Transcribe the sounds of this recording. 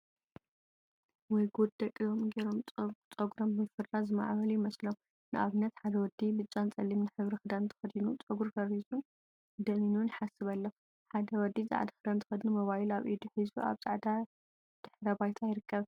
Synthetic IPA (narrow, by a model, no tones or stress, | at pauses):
wɔjɡod̪̚d̪ɐkʼijomɡeɾo̞mʼt͡sʼɐɡuɾommɨfɨɾlazɨma̰ʕβɐlujɪmɐslom | nɨʔa̰βɨnːɐt̪ħad̪ɐwɔd̪ibɨt͡ʃʼːant͡sʼɐlːimnɨħɨβɾixɨd̪ant̪ʰɨ̥xɐd̪inut͡sʼɐɡuɾɡɐβizun | d̪ɐminuwnħasɨβɐlːɐ | ħad̪ɐwɔd̪ːiza̰ʕd̪axɨd̪ant̪ʰɨ̥xɐd̪numɐβajilaβʔid̪uħɨzbua̰βz̥a̰ʕd̪a | d̪̥ɨħɾɐbajt̪ʰajɪɾɨkʰːɐβ